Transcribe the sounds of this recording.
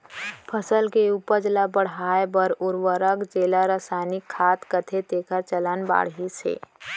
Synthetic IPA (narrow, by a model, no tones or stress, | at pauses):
pʰəsəlkeupəd͡ʒlabəɽ̤ɦaːebəɾʊɾʋəɾəkd͡ʒeːlaɾəsaːɪnɪkʰːaːt̪kət̪ʰet̪eːkəɾt͡ʃələnba̰ːɽɦisḛː